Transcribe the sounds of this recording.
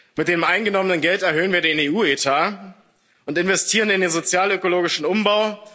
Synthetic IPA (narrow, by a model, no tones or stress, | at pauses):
mɪt̚d̥eːmʔaɪnɡənɔmənənɡɛltɛɐɦøːənviːɐdeːneːuːetʰaː | ʔʊntɪnvɛstʰiːʁənɪndeːnzot͡sjaːløkoloːɡɪʃn̩ʊmbaʊ